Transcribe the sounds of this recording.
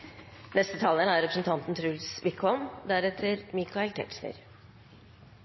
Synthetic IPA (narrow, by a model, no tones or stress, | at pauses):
nɛst̪ət̪ʰɑːlənæɾɛpɾəsn̩t̪ʰɑnt̪n̩t̪ʰɾʉlsʋɪkʰɔmd̪æɾɛt̪ʰəɾmiːkɑɛkt̪ʰɛ̰ʈʂnə̰ɾ